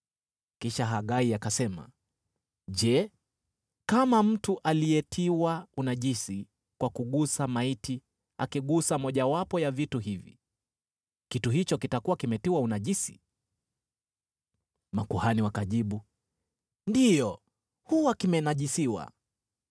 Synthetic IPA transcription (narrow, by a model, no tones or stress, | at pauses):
kiʃaɦaɠaiakasɛma̰ | ʄɛ | kamam̩tuʔalijɛtʰiwaunaʄisi | kwakuɠusamaiti | a̰kiɠusamɔʄawapɔjavituɦivḭ | kituɦit͡ʃɔkitakuwakimɛtiwaunaʄisi̥̰ | makuhaniwakaʄiɓu | ndijɔ | huwakimɛnaʄisiwa̰